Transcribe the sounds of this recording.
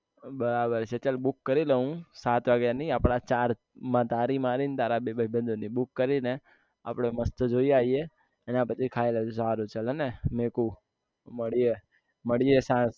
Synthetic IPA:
bəɾabəɾt͡ʃʰet͡ʃəlbukːəɾiləɦũsat̪ʋaɡjaniapɽ̃at͡ʃaɾ | mãt̪aɾimaɾint̪aɾabebəbʱə̃nd̪ʱonibukːəɾine | a̰pɽ̃eməst̪əd͡ʒoiaieː | nãpət͡ʃʰikʰaelesaɾũt͡ʃələnemekũ | məɽie | məɽiesãs

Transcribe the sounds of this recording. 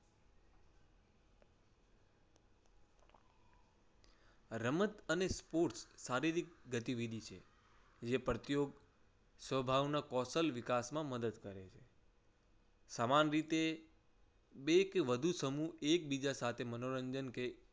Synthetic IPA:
ɾəmət̪ənespoɾʈsːaɾiɾik̚ɡət̪iʋid̪ʱit͡ʃʰḛ | d͡ʒepɾət̪joɡ | sʋəbʱaʋnakɔsəlʋikasmãməd̪əd̪kəɾet͡ʃʰe | samanɾit̪e | bekʋəd̪ʱusəmuek̚bid͡ʒasat̪ʰemənoɾəɲd͡ʒənke

